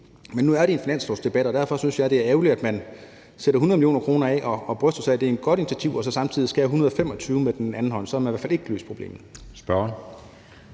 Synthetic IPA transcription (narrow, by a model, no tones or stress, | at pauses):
menːuæɐɾ̥e̝e̝nfinæn̰slosd̥e̝b̥æd̥ɒd̥æɐfɒ̽synsjɑ̈ɪd̥e̝æɐeʊlidæd̥mæn | seɾɐɦunəðˠmiljo̝̰ːnɐkʰʁo̝ːnɐɛʔɒ̽ːb̥ʁœfd̥ɐsɑ̈ɪd̥e̝æe̝d̥̚ɡ̥ɒ̽ɾ̥init͡sʰæt͡sʰiʊ̰ɒ̽sɒ̽sɑ̈mt͡sʰiðˠisɡ̥ææɦunɐðˠɒfem̰ɒ̽t͡sʰyːʊmed̥enænn̩ɦɒ̽n̰sɒæmæniʋæɐfæle̝ɡ̥lø̰ːspʰʁo̝b̥e̝̰ːmð̩ˠsb̥ɶn